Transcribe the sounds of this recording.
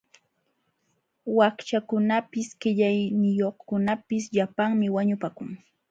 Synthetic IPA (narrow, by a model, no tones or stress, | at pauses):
wakt͡ʃakʊnapɪskɪʎajnɪjoχkʊnapɪs̬ʎapaŋmɪwaɲʊpakʊŋ